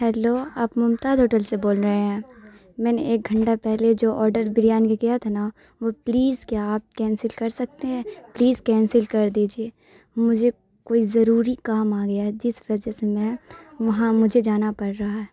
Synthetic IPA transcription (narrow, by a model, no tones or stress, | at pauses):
hɛːloːaːpmʊmt̪aːd̪ɦoːʈəlseboːlɾɐɦeɦɛ̃ː | mɛːneeːk̚ɡʱɐ̃ɳʈapɛɦled͡ʒoːʔɔːɾɖəɾbɪɾijaːnkekɪjat̪ʰana | ʋopliːzkjaaːp̚kɛ̃ːnsɪlkɐɾsɐk̚t̪eɦɛ̃ːpliːzkɛ̃ːnsɪlkɐɾd̪iːd͡ʒieː | mʊd͡ʒʱe | koːizɐɾuːɾikaːmaːɡɐjaɦɛd͡ʒɪsʋɐd͡ʒɛsemɛ̃ʋɐɦãmʊd͡ʒʱed͡ʒaːnapɐɽɾɐɦaɦɛː